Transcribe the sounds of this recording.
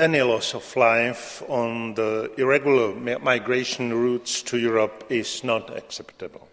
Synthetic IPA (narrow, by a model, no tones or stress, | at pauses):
ɛnilɔsɔflaɪfɔ̃nðəɪɹɛɡjʊl̩ə˞maɪɡɹeɪʃə̃nɹutstʰujuɹəpɪznɔta̰ksɛptɨbl̩ˠ